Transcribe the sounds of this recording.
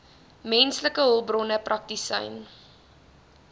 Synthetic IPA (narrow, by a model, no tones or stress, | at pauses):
mɛnsləkəɦəlˠbrɔnəprʔɐk̚tisə̰jn